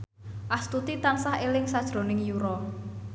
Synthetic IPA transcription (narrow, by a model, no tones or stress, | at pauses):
ʔast̪ut̪it̪ansahelɪŋsad̥ʒ̥ɾo̤nɪŋjuɾɔ